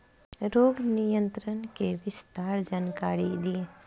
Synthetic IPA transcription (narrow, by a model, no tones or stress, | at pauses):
ɾoɽnijənt̪ɾənkeʋɪst̪aɾd͡ʒənkaɽid̪i